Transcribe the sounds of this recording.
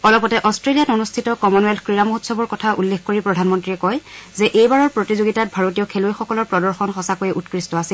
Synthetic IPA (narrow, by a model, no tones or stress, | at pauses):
ɔlɔpɔtɛʔɔstɹelijatonustʰitɔkɔmɔnɔɛlkɹiɹamuɦutsɔbɔɹkɔtʰaʔṵlːexkoɹipɹɔdʱanmɔntɹiɛkɔjzɛʔejbaɹɔɹpɹotizoɡitat̚bʱaɹotijɔkʰelojxɔkɔlɔɹpɹɔdɔɹxɔnxɔsakojɛʔutkɹistɔasil